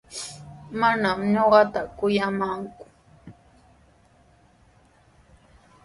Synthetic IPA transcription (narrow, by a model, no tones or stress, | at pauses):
manamɲoɢɑt̪akʊjamaŋkʊ̥